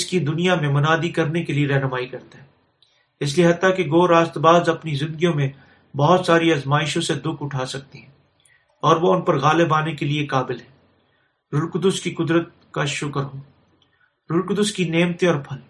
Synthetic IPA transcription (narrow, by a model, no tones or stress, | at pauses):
ɪskid̪ʊnijamẽmɐnaːd̪ikɐɾnekelieɾɛɦnmaːikɐɾt̪aɦɛː | ɪs̬lieɦɐt̪ːakeɡoːɾaːst̪baːzɐpnizɪ̃nd̪əɡijõmẽ | bɔɦʊt̪saːɾiɐzmaːɪʃõsed̪ʊkʰʊʈʰaːsɐk̚t̪iɦɛ̃ː | ɔːɾʋoʊnpɐɾɣaːlebaːnekeliekaːbɪlɦɛː | ɾʊɾkd̪ʊskikʊd̪ɾət̪̚ | kaʃʊkəɾɦoː | ɾʊɾkd̪ʊskineːmt̪ẽɔːɾpʰɐl